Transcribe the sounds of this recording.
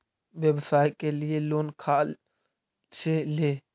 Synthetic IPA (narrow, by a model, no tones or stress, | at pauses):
ʋebsaːjkelɪeloːnkʰaː | seleː